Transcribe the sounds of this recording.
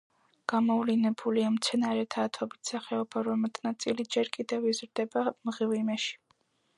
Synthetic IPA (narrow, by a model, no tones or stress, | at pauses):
ɡ̥amɔvlɛnɛbuliamt̪sʰɛnaɾɛt̪ʰaːt̪ʰɔbit̪ʰsaχɛɔbaɾɔmɛt̪ʰnat̪sʼilid͡ʒɛɾkʼid̪ɛvizɾd̪ɛbamʁivimɛʃi̥